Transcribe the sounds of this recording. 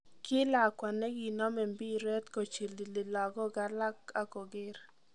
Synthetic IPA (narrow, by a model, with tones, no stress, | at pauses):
kɪ˦la˨kwa˨nɛ˦ɡi˨nɔ˦mɛ˨mbi˦ɾɛ˦t̪ko˨t͡ʃi˨li˨lɪ˨la˨ɡɔ˦ɡa˦la˦ka˨kɔ˨ɡɪ˦ɾ